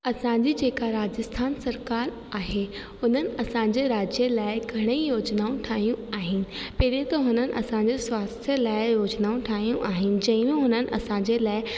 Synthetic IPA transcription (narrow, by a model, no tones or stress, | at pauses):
ɐsãːɲd͡ʑid͡ʑeːkaɾaːd͡ʑəst̪ʰaːnsɐɾkaːɾ | aːɦe | ʊn̤ənɪ̆ɐsãɲd͡ʑeɾaːd͡ʑjəlaːɪɡʱɐɽ̃eijoːd͡ʑnaːũʈʰaːɦijũaːɦɪnɪ̆pɐɦɾiet̪ɐɦʊnənɪ̆ʔɐ̰sãɲd͡ʑeswaːst̪ʰjəlaːɪjoːd͡ʑnaːũʈʰaːɦijũʔaːɦɪnɪ̆d͡ʑɐ̃ɪ̃mẽɦʊnənɪ̆ʔɐ̰sãːɲd͡ʑelaːɪ